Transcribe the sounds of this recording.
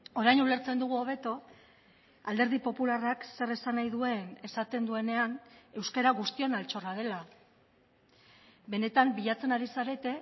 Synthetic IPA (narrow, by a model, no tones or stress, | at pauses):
o̞ɾajnule̞ɾt͡se̞nd̪uɣ̞uo̞β̞e̞t̪o̞ | ald̪e̞ɾð̞ipo̞pularakse̞resanajðue̞ne̞sat̪e̞nd̪ue̞ne̞ane̞wskeɾaɣust̪io̞nalt͡ʃo̞rað̞e̞la | be̞ne̞t̪ambiʎat͡se̞naɾisaɾe̞t̪e̞